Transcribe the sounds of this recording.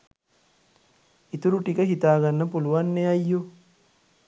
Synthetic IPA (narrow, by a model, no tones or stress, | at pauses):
it̪uɾuʈikɐɦit̪aːɡɐnːɐpuluʋanːeɐjːu